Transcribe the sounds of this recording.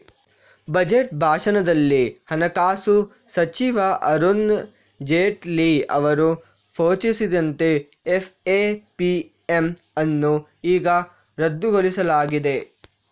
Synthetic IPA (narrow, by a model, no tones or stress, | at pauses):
bɐd͡ʒeʈ̚bʱaːʂɐnɐd̪ɐlːihɐnɐkaːsu | sɐt͡ʃiʋɐʔɐɾun | d͡ʒeːʈliɐ̰ʋɐɾu | pʰoːt͡ʃisid̪ɐnt̪eː | pʰeːpi | em | ɐnːuiːɡɐ | ɾɐd̪ːuɡoɭisɐlaːɡid̪e